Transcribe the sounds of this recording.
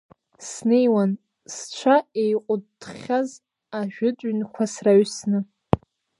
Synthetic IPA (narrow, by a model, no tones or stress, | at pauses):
sne̞jwan | st͡ʃʷʰaejqʷʼʊtχʲaz | aʒᶣʊt͡sʼɥnkʷʰasraɥsnɨ